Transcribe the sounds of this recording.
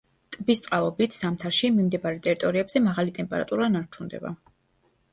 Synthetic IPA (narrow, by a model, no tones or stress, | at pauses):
t̪ʼbist̪sʼqʼalˠɔbit̪ʰsamt̪ʰaɾʃimimd̪ɛbaɾɛt̪ʼɛɾit̪ʼɔɾiɛbz̥ɛmaʁalit̪ʼɛmpʼɛɾa̰t̪ʼuɾanaɾt͡ʃʰund̪ɛ̰ba̰